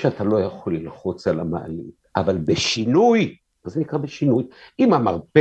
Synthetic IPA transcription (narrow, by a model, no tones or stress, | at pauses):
ʃeatalo̞jaχolːilχot͡selama̰a̰lḭt | a̰valbeʃinuj | zenikʁabeʃinujimamaʁpe